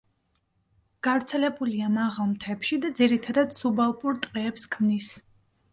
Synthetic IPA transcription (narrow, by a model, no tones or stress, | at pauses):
ɡ̥avɾt̪sʰɛlɛbuliamaʁalˠmt̪ʰɛpʃid̪ad̪ziɾit̪ʰad̪ad̪̥subalˠpʼuɾt̪ʼqʼɛːpskʰmnis